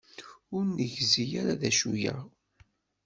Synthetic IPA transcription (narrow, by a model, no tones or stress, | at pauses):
ʊɾnəʝzijaɾaðæʃujæ